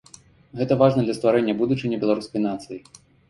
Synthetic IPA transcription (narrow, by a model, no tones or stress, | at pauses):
ɣɛt̪ɐvaʐnɐd̪lʲɐst̪vaɾɛnʲːɐbud̪ut͡ʂɨnʲɐbʲɛlˠaɾuskɐjnat̪sɨji